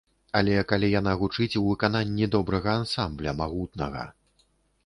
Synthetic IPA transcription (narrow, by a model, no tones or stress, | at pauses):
ɐlʲɛkalʲijanaɣut͡ʂɨt͡sʲwvɨkananʲːid̪ɔbɾɐɣɐansamblʲɐmaɣut̪̚nɐɣɐ̰